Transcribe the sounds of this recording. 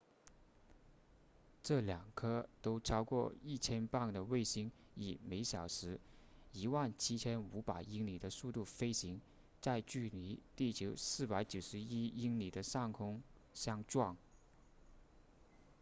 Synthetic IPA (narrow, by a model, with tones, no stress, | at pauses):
ʈ͡ʂɤ˥˩ljɑ˨˩ŋkʰɤ˥t̪o˥ʊʈ͡ʂʰɑ˥ʊkwɔ˥˧i˥˩t͡ɕʰjɛ˥npa˥˩ŋd̪ə˩we˥˩ɪɕi˧˥ŋ | i˨˩me˧˥ɪɕjɑ˨˩ʊʂɻ̩˧˥i˧˥wa˥˩nt͡ɕʰi˥t͡ɕʰjɛ˥nu˧˥pa˨˩ɪi˥ŋli˨˩d̪ə˦su˥˧t̪u˥˩fe˥ɪɕi˧˥ŋ | t͡sa˥˧ɪt͡ɕy˥˩li˧˥t̪i˥˩t͡ɕjo˧˥ʊsɹ̩˥˩pa˧˥ɪt͡ɕjo˨˩ʊʂɻ̩˧˥i˥i˥ŋli˨˩d̪ə˦ʂɑ˥˩ŋkʰʊ˥ŋ | ɕjɑ˥ŋʈ͡ʂwɑ˥˩ŋ